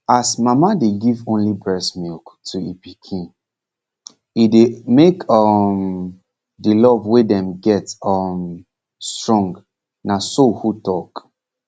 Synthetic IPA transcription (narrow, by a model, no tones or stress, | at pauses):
asmamadeɡivõnlibɹɛsmilktʰuipikʰĩn | idemekɔm | dilɔvwedɛ̃mɡɛtɔm | stɹɔ̃ŋɡ | nasohutɔk